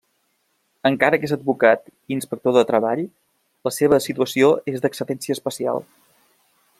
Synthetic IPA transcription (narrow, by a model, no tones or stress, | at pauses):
əŋkaɾəkezəd̪̚bukat̪inspək̚t̪oðət̪ɾəβaʎ | ləseβ̞əsit̪uəsioezd̪əksəɾɛnsiəspəsia̰lˠ